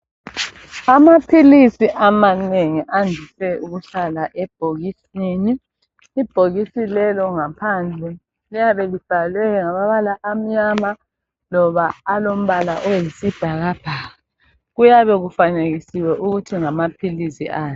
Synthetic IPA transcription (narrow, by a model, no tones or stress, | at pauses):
amapʰilisiʔamaneŋiʔandʱisɛuɣuɬalaʔɛb̥̚ʱoɣisiːniː | b̥ʱoɣisilɛlɔŋapʰand͡ɮʱɛ | lijaβɛlib̥ʱalwɛkɛŋaβaβalaʔːm̩ɲama | lɔβaːlom̩βalaʔojisid̥ʱaɣab̥ʱaːɣa | ɣujaβɛɣufaneɣisiwɛʔuɣutʰiŋamapʰilisḭʔaːɛ